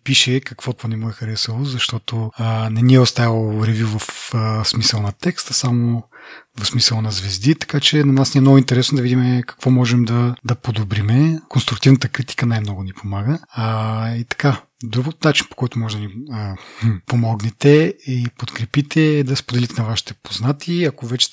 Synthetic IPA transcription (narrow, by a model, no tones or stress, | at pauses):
piʃɛkɐkvɔt̪vanɛmuɛxɐɾɛsəlˠozɐʃt̪ɔt̪onɛniɛʊst̪ajlˠoɾɛvʲuvɐfsmisəlˠnɐt̪ɛkst̪əsamovɐfsmisəlˠɐnɐzvɛzd̪it̪ɐ̥kat͡ʃɛnɐnasnʲiɛmnɔɡʊint̪ɛɾɛsnod̪ɐvid̪imɛkɐ̥kvɔmɔʒɛmd̪ɐd̪ɐpod̪obɾimɛkonst̪ɾuk̚t̪ivnət̪əkɾit̪i̥kənajmnɔɡʊnipomaɡə | it̪ɐ̥ka | d̪ɾuɡot̪nat͡ʃinpo̥kɔjt̪ʊmɔʒɛd̪ɐniəpomɔɡnɛt̪ɛipot̪kɾɛpit̪ɛɛd̪ɐspod̪ɛlit̪ɛnɐvaʃi̥t̪ɛpoznat̪iɐkovɛt͡ʃɛ̥